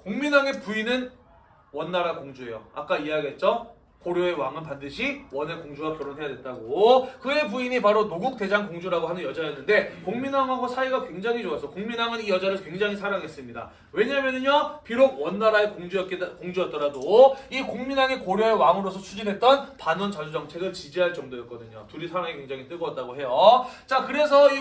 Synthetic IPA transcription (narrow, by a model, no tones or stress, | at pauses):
koŋminaŋe̞puinɯn | wʌnːaɾakoŋd͡ʑuejo̰a̰k͈aiaɡiɦet̚t͡ɕ͈ʌ | koɾjoe̞waŋɯnpandɯɕʰiwʌne̞koŋd͡ʑuwakjʌɾonɦe̞jadwe̞t͈aɡokɯe̞p̬uiɲipaɾonoɡuk̚t͈e̞d͡ʑaŋkoŋd͡ʑuɾaɡoɦanɯnjʌd͡ʑajʌnːɯnde̞koŋminaŋɦaɡosʰaiɡakwe̞ŋd͡ʑaŋɦid͡ʑoasʰʌkoŋminaŋɯnijʌd͡ʑaɾɯɭkwe̞ŋd͡ʑaŋɦisʰaɾaŋɦe̞s͈ɯmɲida̰ | we̞ɲamjʌnɯɲʌpiɾoɡ̚wʌnːaɾaekoŋd͡ʑukoŋd͡ʑujʌt̚t͈ʌɾadoikoŋminaŋekoɾjʌewaŋɯɾosʰʌt͡ɕʰud͡ʑinɦe̞t̚t͈ʌnpanʌnt͡ɕad͡ʑud͡ʑʌŋt͡ɕʰe̞ɡɯɭt͡ɕid͡ʑiɦaɭt͡ɕ͈ʌŋdojʌt̚k͈ʌdɯɲo̰tuɾisʰaɾaŋikwe̞ŋd͡ʑaŋit͈ɯɡʌt̚t͈aɡoɦe̞jʌt͡ɕakɯɾe̞sʰʌi